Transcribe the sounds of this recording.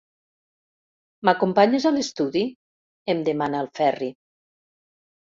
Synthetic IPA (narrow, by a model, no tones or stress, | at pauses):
makumpaɲezalest̪uði | emd̪emanaːlˠfɛri